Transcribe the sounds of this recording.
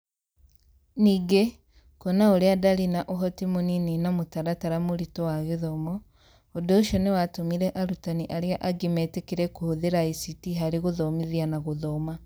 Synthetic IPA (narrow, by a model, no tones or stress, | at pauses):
niːɡe | konaoɾeadaɾinaʔoɦɔtimonininamotaɾataɾamoɾitɔwaɣeðɔmɔ | odoːʃiɔnewatomiɾɛʔaɾutaniʔaɾeaʔaɡemɛtekeɾɛkohoðeɾaisitiɦaɾeɣoðɔmiðianaɣoðɔma